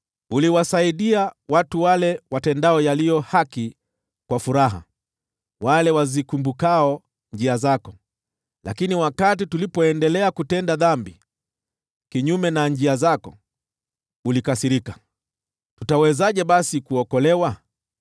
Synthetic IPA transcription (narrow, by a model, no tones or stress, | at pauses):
uliwasaiɗiawatuwalɛwatɛndaɔjalijɔhaki | kwafuɾaɦa̰ | walɛwazikumbukaɔ | ɲd͡ʒiazakɔ | lakiniwakat̬itulipɔɛndɛlɛakutɛndaðambi | kiɲumɛnaɲd͡ʒiazakɔ | ulikasiɾika | tutawɛzaʄɛɓasikuɔkɔlɛwa